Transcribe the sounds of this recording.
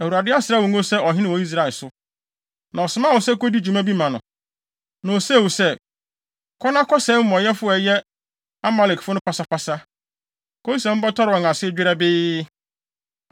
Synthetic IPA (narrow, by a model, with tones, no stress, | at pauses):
æ˨wu˨ɾa˨dɪ˦a˦sɪ˨ɾa˦wo˨ŋo˦sɛ˦ɔ˨ɦɪ̃˦nɪ̃˦wɔ˨i˦s̬ɾa˨ɪ˨lsʊ˦ | nã˨ɔ˨sɪ˨mã˦˨wʊ˨sɛ˦ko˦di˦d͡ʑu˨mã˦bi˦mã˨nʊ̰̃˨ | nã˨o˨se˦˨wo˨sɛ˦ | kʰɔ˦nã˦kɔ˦sɛ˨˦m̩˦mɔ̃˨jɛ˦fʊ˦ɛ˨jɛ˦ | a˦ma˦lɛ˨kfʊ˦nʊ̃˦pʰa˨sa˦pʰa˦sa˦ | kʰo˦i˦sã˨m̩˦ba˦tʰɔ˦ɾɪ˨ɔ˨ŋã˨sɪ˦d͡ʑᶣɪ˦ɾɛ˦bɪː˦